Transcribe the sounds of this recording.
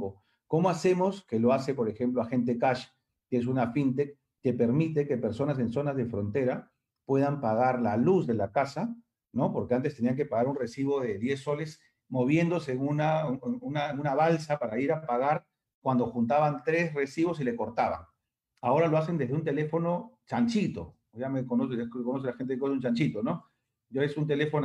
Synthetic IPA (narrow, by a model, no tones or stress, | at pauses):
o | ko̞mo̞ase̞mo̞ske̞lo̞ase̞po̞ɾe̞xe̞mploaxe̞nt̪̬e̞kaʃː | ees̬unafint̪ekː | e̞pe̞ɾmit̪e̞ke̞pe̞ɾso̞nas̬e̞nso̞nazðe̞fɾo̞nt̪e̞ɾa | pwe̞ðampaɣ̞aɾlaluzðe̞lakasa | no̞po̞ɾkeant̪est̪e̞niaŋke̞paɣaɾunre̞siβ̞o̞ðe̞ðje̞sːo̞le̞s | mo̞βje̞nd̪oseunaunaeŋunaβalsapaɾaiɾapaɣaɾ | kwand̪o̞xunt̪aβant̪ɾe̞sre̞siβo̞sile̞ko̞ɾt̪aβa̰ŋ | ao̞ɾalo̞as̬e̞nd̪e̞zðeunt̪e̞le̞fo̞no̞t͡ʃant͡ʃit̪o̞̰ | ʝamekonoskonos̬elaxent̪ekount͡ʃant͡ʃit̪o̞no̞ | ʝaesunt̪e̞le̞fo̞n